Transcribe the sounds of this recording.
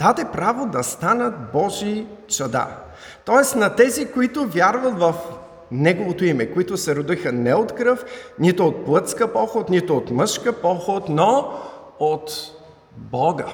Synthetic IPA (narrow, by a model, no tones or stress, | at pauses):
d̪̥ad̪ɛpɾavod̪ɐst̪anət̪̚bɔʒisɐd̪a̰ | t̪ɔɛsnɐt̪ɛzikoit̪ʊvʲjaɾvɐt̪vɐf | nɛɡovot̪oimɛkoit̪ʊsɛɾʊd̪ixənɛot̪kɾɤfnit̪ʊːt̪̚plˠɤt̪skəpɔxot̪nit̪ʊot̪mɤʃkəpɔxot̪no | ot̪ | bɔɡə